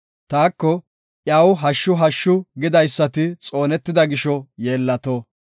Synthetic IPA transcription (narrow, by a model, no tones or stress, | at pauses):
t̪aːkːɔ | ʔjɐwɦɐʃːʊɦɐʃːʊɡɪd̪ɐjsːɐt̪ɪt͡sʼo̞ːnɛt̪ːɪd̪ɐɡɪʃɔje̞ːlːɐt̪oː